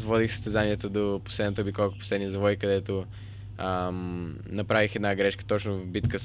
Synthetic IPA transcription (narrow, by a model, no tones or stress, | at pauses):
zvɔd̪ixsəst̪ɛzaniɛt̪əd̪oposlɛd̪nət̪əbikɔko̥poslɛd̪nizɐvɔikɐd̪ɛt̪o | ə | nɐpɾavixɛd̪naɡɾɛʃkə̥t̪ɔt͡ʃnʊvbit̪kə